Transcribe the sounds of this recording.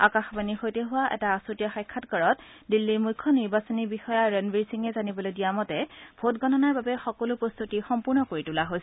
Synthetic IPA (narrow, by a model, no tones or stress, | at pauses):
akaxbanixojteɦʊwaʔɛ̰taːsotijaxajkʰːatkɔɹɔt | dilːimujkʰːɔniɹbasɔnibixɔjaɹɛnbiɹsiŋɛzanibɔlojdijamɔtɛb̥ʱotɡɔnɔnaɹbabɛxɔkɔlʊpɹost̪ʰutixɔmpuɹnɔkoɹitulaɦojsɛ